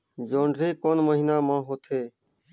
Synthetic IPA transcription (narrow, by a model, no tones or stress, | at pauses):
d͡ʒoːɳɖɾiːkoːnməɦiːnaːmãːɦoːt̪ʰeː